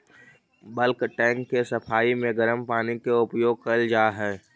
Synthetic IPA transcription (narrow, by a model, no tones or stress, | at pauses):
bəlkʈɛ̃ːŋkːesəpʰaːimẽɡəɾəmpaːnikeʊpjoːɡ̚kɐld͡ʒaːɦɛː